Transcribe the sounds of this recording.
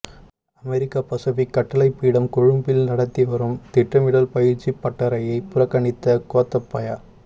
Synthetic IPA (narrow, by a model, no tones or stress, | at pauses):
ɐmɛɾɪkːapɐsɐʋikːɐʈːɐlɐɪpːiːɽɐmkɔɻɯmbɪlnɐɽɐt̪ːiʋɐɾɯmt̪ɪʈrɐmɪɽɐlpɐjɪɾt͡ʃːipːɐʈːɐɾɐjɐɪpʊrɐkːɐɳɪt̪ːɐkoːt̪ːɐpːɐjaː